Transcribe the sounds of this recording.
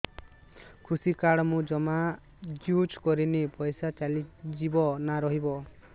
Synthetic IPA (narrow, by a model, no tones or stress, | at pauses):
kʰusikaɽɔmũd͡ʒɔma | ɡjut͡ʃkɔɾinipɔjsat͡ʃalid͡ʒibɔnaɾɔɦibɔ